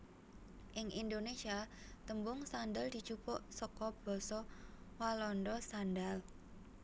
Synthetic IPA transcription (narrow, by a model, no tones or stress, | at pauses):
ʔɪŋind̪onesiat̪əmbʊŋsandald̪̥i̤̥t͡ʃupɔʔsɔkɔb̥ɔsɔwalɔndɔsandal